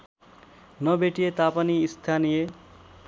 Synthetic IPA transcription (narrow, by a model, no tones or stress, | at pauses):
nʌbeʈijet̪apʌniːst̪ʰanije